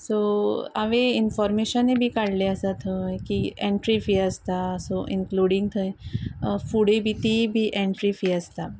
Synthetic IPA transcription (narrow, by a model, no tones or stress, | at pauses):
soaʋeinfɔɾmeɕənebʱiːkaɽleəsat̪ʰəkiẽɳʈɾifiəst̪asoʔiŋkluɽĩŋɡt̪ʰə | fuɽebʱit̪ibʱiːʔɛ̃ɳʈɾifiəst̪a